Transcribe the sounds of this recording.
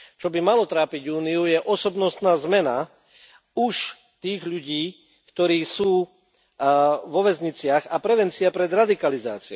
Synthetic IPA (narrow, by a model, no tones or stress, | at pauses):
t͡ʃɔbimalɔt̪ɾaːpiɟuːniujɛʔɔsɔbnɔst̪naːzmɛna | uʃ | t̪iːɣʎuɟiː | kt̪ɔɾiːsuː | ʋɔʋɛzɲit͡sɪaɣapɾɛʋɛnt͡siapɾɛd̪ɾad̪ikaliza̰ːt͡siɛ